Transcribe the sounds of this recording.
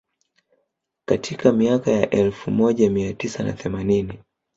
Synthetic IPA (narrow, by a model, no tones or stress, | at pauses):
katʰikamiakajaʔɛlfumɔʄamiatisana̰θɛmanini